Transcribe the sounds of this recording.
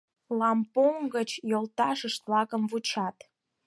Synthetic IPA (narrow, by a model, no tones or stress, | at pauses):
lɑmpoŋɡət͡ɕjolt̪ɑʃəʃt̪vlɑkəmvut͡ɕɑt̪